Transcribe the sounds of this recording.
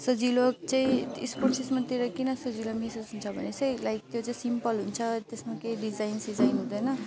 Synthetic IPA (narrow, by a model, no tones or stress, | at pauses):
sʌd͡zilok̚t͡saĩisporʈsesmat̪iɾʌkinʌsʌd͡zilomisʌsɦunt͡sʰʌbʱʌ̰nesʌjlajk̚t̪jot͡saĩsimpʌlɦunt͡sʰʌt̪esmakejɖid͡zajnsid͡zajnɦũd̪ʌjnʌ